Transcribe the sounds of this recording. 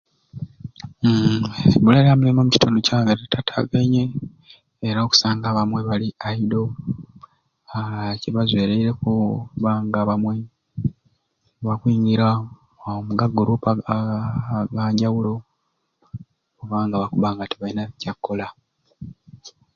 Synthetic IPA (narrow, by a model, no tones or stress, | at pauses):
bulalamulemomuci̥tonocaːŋɡatetʰatʰa̰ɡaɲeː | ɾaoku̥saːŋɡaːβamwe̞βaliaido̞ | ceβazwe̞ːɾeiɾe̞kuβaːŋɡaβamwe̞ | βakwiːɲɡiɾa | omuɡaɡːoɾupa | ɡaːɲɟawulo̞ | oβaːŋɡaβakuβaːŋɡateβainaβicakːo̞la